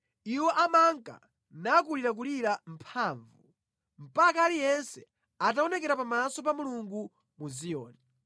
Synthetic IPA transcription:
iwɔʔamaŋka̰ | nak̬uliɾak̬uliɾam̩pʰaːɱvṵ | m̩pakaːlijɛnsɛ | ataɔnɛkɛɾapamasɔpamuluŋɡu | muzijɔ̰ːni

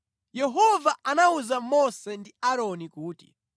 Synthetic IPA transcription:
jɛɦɔvaanauzamɔsɛndiaɾɔnikuːtḭ

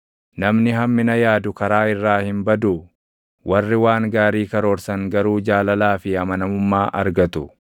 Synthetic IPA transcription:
nɐmnɪɦɐmːɪnɐjaːd̪ʊkɐɾaːɪrːaːhɪmbɐd̪ʊ | wʔɐrːɪwaːŋɡaːɾiːkɐɾoːɾsɐŋɡɐɾuːd͡ʒaːlɐlaːfɪɐmɐnɐmʊmːaːʔɐ̰ɾɡɐt̪ʊ

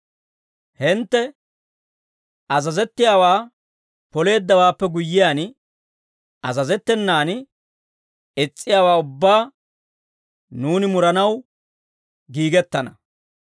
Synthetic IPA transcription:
hɪnt̪ːɛ | ʔɐzɐzɛt̪ːɪjaːwaː | pɔle̞ːd̪ːɐwaːpːɛɡʊjːɪjaːn | ɐzɐzɛt̪ːɛnːaːn | ɪt͡sʼːɪjaːwaːʊbːaː | nuːnɪmʊɾɐnɐw | ɡiːɡɛt̪ːɐnɐ

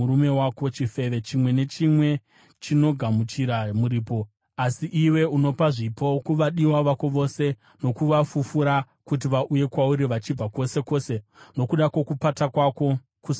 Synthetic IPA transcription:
uɾume̞wako̞t͡ʃife̞ʋe̞t͡ʃimwe̞ne̞t͡ʃimwe̞ | t͡ʃino̞ɡʱamut͡ʃiɾamuɾiːpo̞ | asiʔiwe̞uno̞paʐipʰo̞kuʋaɗiwaʋako̞ʋo̞se̞ | no̞kuʋafufuɾa | kut̬iʋaʔuje̞kwauɾiʋat͡ʃib͡vako̞se̞ko̞seno̞kuɗakwo̞kupatakwako̞ | kus

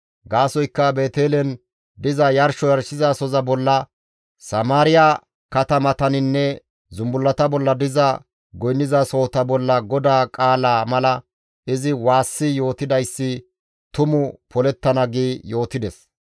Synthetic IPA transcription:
ɡaːsɔjkːɐbe̞ːt̪eːlɛn | d̪ɪzɐjɐɾʃɔjɐɾʃɪzasɔzɐbɔlːɐ | sɐmaːɾɪja | kɐt̪ɐmɐt̪ɐnɪnːɛ | zʊmbʊlːɐt̪ɐbɔlːɐd̪ɪzɐ | ɡɔjnːɪzaso̞ːt̪ɐbɔlːɐɡɔd̪aːkʼaːlaːmɐlɐ | ɪzɪwaːsːɪjo̞ːt̪ɪd̪ɐjsːɪ | t̪ʊmʊpʰɔlɛt̪ːɐnɐɡeːjo̞ːt̪ɪd̪ɛs

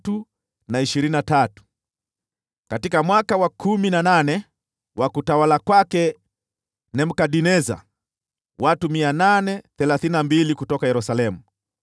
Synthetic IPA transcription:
tu | naiʃiɾininatatu̥ | katikamwakawakʰuminananɛ | wakutawalakwakɛ | nɛm̩kaɗinɛza̰ | watumiananɛθɛlaθininambilikutɔkajɛɾusalɛmu

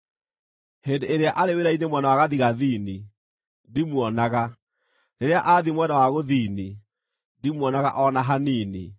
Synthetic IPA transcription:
hendeeɾeaʔaɾeweɾainemwɛnawaɣaðiɣaðiːni | dimwɔnaɣa | neɾeaʔaːðimwɛnawaɣoðiːni | dimwɔnaɣa̰ʔɔnaɦaniːnḭ

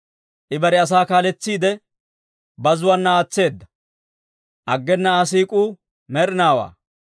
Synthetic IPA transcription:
ʔɪbɐɾɪɐs̬aːkaːlɛt͡sːiːd̪ɛ | bɐzʊwɐnːɐaːt͡sːe̞ːd̪ːɐ | ʔɐɡːɛnːɐaːs̬iːkʼuː | mɛɾɪnaːwa̰ː

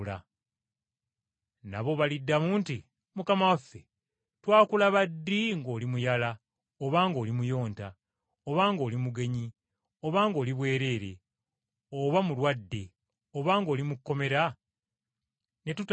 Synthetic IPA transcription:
la | na̰βo̞βalidːamuːnti | mukamawafːe | twaːkulaβadːiŋɡo̞ːlimujala | oβaːŋɡo̞ːlimujo̞ːnta | oβaŋɡo̞ːlimuɡe̞ɲi | o̞βaːŋɡo̞ːliβwe̞ːɾe̞ɾe̞ | oβamulwadːe̞ | o̞βaːŋɡo̞ːlimukːo̞me̞ɾa | ne̞tut

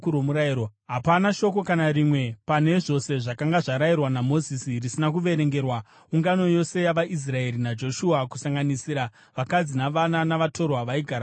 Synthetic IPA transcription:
uɾomuɾaiɾoɦapanaʃo̞ko̞kanaɾimwe̞pane̞ʐo̞se̞ʐakaŋɡaʐaɾairwanamo̞zisirisinak̬uʋe̞ɾe̞ŋɡe̞rwa | uŋɡano̞jo̞se̞jaʋaʔis̬rae̞ɾinad͡ʒo̞ʃuakusaŋɡanisiːɾa | ʋakad͡zinaʋananaʋato̞rwaʋaiɡʱaɾa

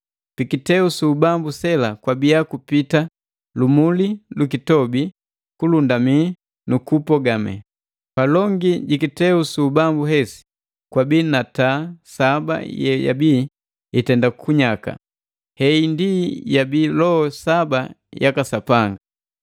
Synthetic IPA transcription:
pikitɛusuːbambusɛlakwabijakupita | lumulilukitɔbi | kulundami | nukupɔɡamɛ̰ | palɔŋɡiɟikitɛusubambuɦɛsi̥ | kwabinatasaba̰jɛja̰bi | itɛndakuɲaka̰ | hɛindijabilɔhɔsabajakasapaŋɡaa

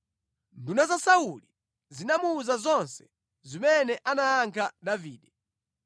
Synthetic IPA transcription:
ndunazasauli | zinamuːzazɔnsɛ̥ | zimɛnɛʔanaːŋkʰaɗaviːɗɛ

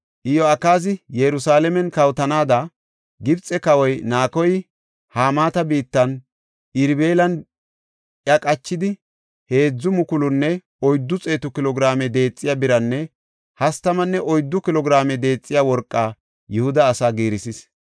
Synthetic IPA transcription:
ʔɪjɔɐkːaːz̬ɪjɛɾʊsaːlɛmɛnkɐwt̪ɐnaːd̪ɐ | ɡɪbt͡sʼːɛkɐwɔjnaːkɔj | haːmaːt̪ɐbiːt̪ːɐn | ʔɪɾbe̞ːlɐn | ʔjɐkʼɐt͡ʃːɪd̪ɪ | he̞ːd͡zːʊmʊkʊlʊnːɛ | ɔjd̪ːʊt͡sʼe̞ːt̪ʊkɪlɔɡɾaːmɛd̪e̞ːt͡sʼːɪjaːbɪɾɐnːɛ | hɐst̪ɐmɐnːɛʔɔjd̪ːʊkɪlɔɡɪɾaːmɛd̪e̞ːt͡sʼːɪjaːwɔɾkʼːaː | jʊhʊd̪ɐːsaːɡiːɾɪsɪs

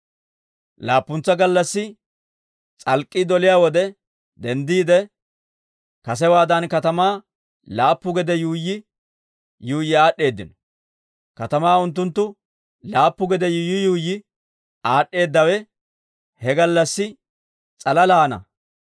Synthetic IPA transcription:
laːpːʊnt͡sːɐɡɐlːɐsːɪ | t͡sʼɐlkʼːɪd̪ɔlɪjaːwɔd̪ɛ | d̪ɛnd̪iːd̪ɛ | kɐs̬ɛwaːd̪ɐnkɐt̪ɐmaː | laːpːʊɡɛd̪ɛjuːjːɪ | juːjːɪaːɗːe̞ːd̪ːɪnɔ | kɐt̪ɐmaːʊnt̪̬ːʊnt̪ːʊ | laːpːʊɡɛd̪ɛjuːjːɪjuːjːɪ | aːɗːe̞ːd̪ːɐwɛ | hɛɡɐlːɐsːɪ | t͡sʼɐlɐlaːnɐ̰

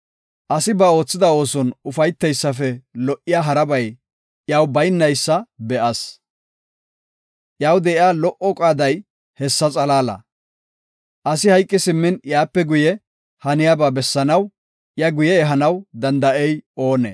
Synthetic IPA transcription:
ʔɐsɪbɐo̞ːt͡sːɪd̪ɐo̞ːsɔnʊfɐjt̪ːɛjsːɐfɛlɔʔɪjaːɦɐɾɐbɐj | jaːwbɐjnːɐjsːɐbɛʔɐs | ʔjaːwd̪ɛʔɪjaːlɔʔɔkʼaːd̪ɐj | hɛsːɐt͡sʼɐlaːlɐ̰ | ʔɐsɪhɐjkʼːɪsɪmːɪnjaːpːɛɡʊjɛ | hɐnɪjaːbaːbɛsːɐnɐw | jɐɡʊjɛːɦɐnɐwd̪ɐnd̪ɐʔɛjo̞ːnɛ̰

